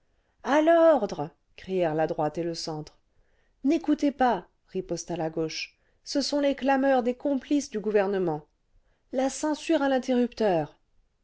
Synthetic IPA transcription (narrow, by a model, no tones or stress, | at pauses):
alɔʁd̪ʁ | kχijɛʁlad̪ʁwat̪eləsɑ̃t̪χ | nekut̪epa | ʁipɔst̪alaɡoʃ | səsɔ̃leklamœʁd̪ekɔ̃plisd̪yɡuvɛʁnəmɑ̃ | lasɑ̃syʁɛ̃lɛ̃t̪eʁypt̪œːʁ